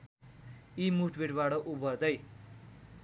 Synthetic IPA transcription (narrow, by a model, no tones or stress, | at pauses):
imuʈbeʈbaʈʌʔubʌrd̪ʌj